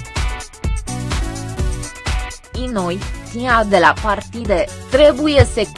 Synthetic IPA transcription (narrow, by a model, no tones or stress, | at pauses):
inojk̪iad̪elapart̪id̪et̪ɾe̞bujesek